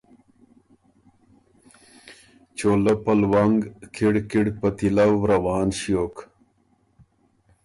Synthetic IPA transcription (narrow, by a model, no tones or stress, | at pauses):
t͡ʃoːlɐpɐlwɐŋɡkʰiɽkiɽpɐt̪ilɐwɾɐwaːnɕjoːk